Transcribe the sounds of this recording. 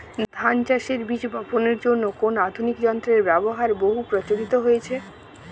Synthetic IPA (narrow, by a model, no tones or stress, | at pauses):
d̪ʱant͡ɕaʃeɾbiʃbʱɔponeɾd͡ʑonːokonad̪ʱunikd͡ʑɔnt̪ɾeɾbɛboɦaɾboɦupɾot͡ɕoɾit̪oɦojet͡ɕʰe